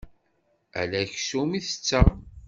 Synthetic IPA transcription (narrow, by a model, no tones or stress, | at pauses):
æ̰læçsumiθə̥t͡sːæ